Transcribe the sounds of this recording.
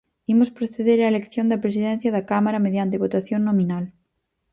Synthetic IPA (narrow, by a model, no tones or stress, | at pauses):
imospɾoθeðeɾaelekθjond̪apɾesiðẽn̟θjaðakamaɾameðjant̪eβot̪aθjonːõmĩnal